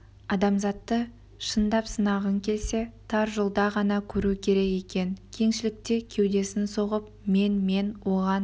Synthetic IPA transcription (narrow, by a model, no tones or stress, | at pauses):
ɑd̪ɑmzɑt̪ːə | ʃənd̪ɑpsənɑʁəŋkʲʰe̞lse̞t̪ʰɑɾʒəlˠd̪ɑʁɑnɑkʲʰɵɾukʲʰe̞ɾe̞ke̞kʲe̞nkʲʰe̞ŋʃɪlɪk̚t̪e̞kʲʰe̞wd̪e̞sɪnso̞ʁəp̚me̞nme̞nwo̞ʁɑn